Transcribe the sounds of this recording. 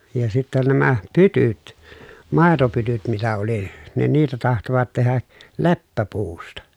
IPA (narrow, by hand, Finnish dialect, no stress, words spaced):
jɑ sitːæ næmæ pytyt mɑˑetopytyt mitæ oli ne niːtæ tɑhtoʋɑt tehæ lepːæpuːstɑ